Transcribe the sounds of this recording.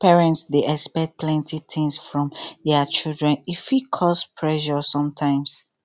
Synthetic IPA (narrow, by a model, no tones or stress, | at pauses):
pɛɹɛ̃ntsdeʔɛspɛt̚plɛ̃ntʰit̪ɪ̃ŋsfɹɔ̃mdɛat͡ʃildɹɛ̃nifikʰɔspʰɹɛʃɔsɔ̃mtʰãɪ̃ms